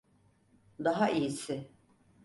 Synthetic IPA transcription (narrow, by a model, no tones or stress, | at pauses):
d̪aɦaʔijisɪ